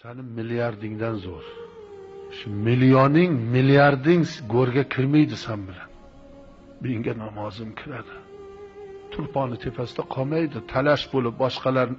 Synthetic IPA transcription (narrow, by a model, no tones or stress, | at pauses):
sanɪːɪlijaɾd̪ɪŋd̪anzoɾ | ʃʊmɪljɒnɪŋmɪlijaɾd̪ɪŋsɡoɾɡʲakʲʰɪɾmɪjd̪ɪsambɪlan | bɪŋɡʲanɒmɒzɪmkʲʰɪɾad̪ɪ | t̪ʰʊɾpʰɒnɪt̪ʰe̞pʰasɪd̪aqʰɒmajd̪ɪt̪ʰalaʃbolɪp̚bɒʃqɑlaɾ